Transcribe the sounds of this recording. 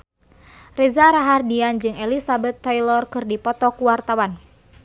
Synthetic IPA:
rɛzaɾaɦardiand͡ʒɨŋɛlisabɛt̪ːajlɔrkɨrdipɔt̪ɔkuwart̪awan

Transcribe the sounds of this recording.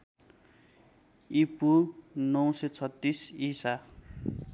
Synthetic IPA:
ipunʌw̃set͡sʰʌt̪ːisisa

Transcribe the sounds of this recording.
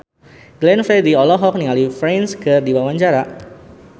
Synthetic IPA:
ɡ̥lɛnfɛdiɔlɔɦɔk̚niŋalifɾɛnskɨrdiwawaɲd͡ʒaɾa

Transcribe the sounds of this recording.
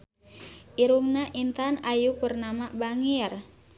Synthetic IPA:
ʔiɾumnaʔint̪anajupərnamabaŋir

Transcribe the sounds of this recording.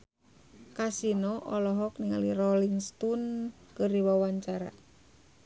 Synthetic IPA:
kasinɔʔɔlɔɦɔkniŋa̰lirɔliŋst̪unkɨrdiwawaɲt͡ʃaɾa̰

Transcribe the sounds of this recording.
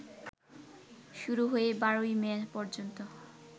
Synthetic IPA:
ʃuɾuɦoebaɾoimɛpɔɾd͡ʑont̪o

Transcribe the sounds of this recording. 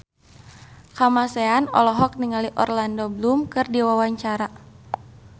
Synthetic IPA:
kamaseanɔ̰lɔɦɔk̚niŋaliʔɔrlandɔblumkɨrdiwawaɲt͡ʃaɾa

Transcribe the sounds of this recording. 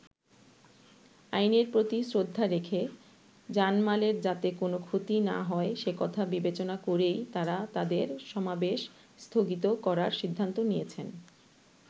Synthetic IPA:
ajneɾpɾot̪isɾod̪ʱːaɾekʰe | d͡ʑanmaleɾd͡ʑat̪ekonokʰot̪ina̰ɦɔeʃekɔt̪ʰabibet͡ɕonakoɾejt̪aɾat̪ad̪eɾʃɔmabeʃ | st̪ʰoɡit̪̬okɔɾaɾʃid̪ʱːant̪onijet͡ɕʰen

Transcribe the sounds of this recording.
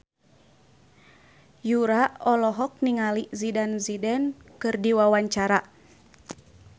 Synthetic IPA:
juɾaɔlɔɦɔk̚niŋalizidanzidɛnkɨrdiwawaɲt͡ʃaɾa

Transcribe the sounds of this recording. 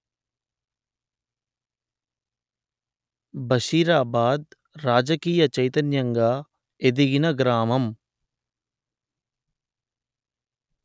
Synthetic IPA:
bɐʃiːɾaːbaːd̪̚ | ɾaːd͡ʒɐkiːjɐt͡ʃɐjt̪ɐnjɐŋɡaː | ed̪iɡinɐɡɾaːmɐm

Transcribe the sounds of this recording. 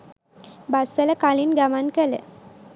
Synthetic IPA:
basɛlɛkaliːnɡamankelḛ

